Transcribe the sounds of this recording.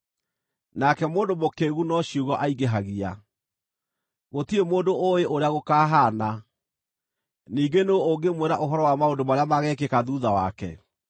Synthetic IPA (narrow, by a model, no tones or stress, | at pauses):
nakɛmoːndomokeːɣunɔɕuɣɔʔaiɡeɦaɣia | ɣotiemoːndooeʔoɾeaɣokaːɦana | niːɡenoooɡemweɾaʔoɦɔɾɔwamaondomaɾeamaɣɛːkekaðuːðawa̰kɛ̰